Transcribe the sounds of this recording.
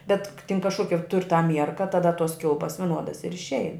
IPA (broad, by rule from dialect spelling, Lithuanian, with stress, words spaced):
bʲɛt k tʲɪn kɐʃˈkoːkʲɛ tʊrʲ tɐ ˈmʲiɛrkɐ tɐˈdɐ toːs ˈkʲɪlˠpɐs ʋʲɪˈnuɔdɐs ɪr ɪʃʲˈɛɪn